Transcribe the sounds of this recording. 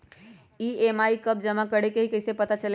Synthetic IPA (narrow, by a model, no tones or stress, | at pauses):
iemaikəb̚d͡ʒəmakəɽekeɦikəɪsepət̪at͡ʃəle